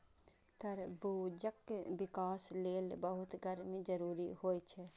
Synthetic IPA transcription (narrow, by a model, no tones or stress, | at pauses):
t̪əɾbud͡ʒəkːbɪkaːsleːlbəɦʊt̪ɡʱəɾmẽd͡ʒəɾuːɾihoːjt͡ʃʰɛ